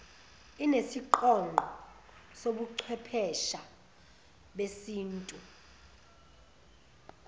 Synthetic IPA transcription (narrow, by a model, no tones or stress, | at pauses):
inesiǃɔŋʱɔ | soɓuǃʰɛpʰɛʃa | ɓesiːntʼu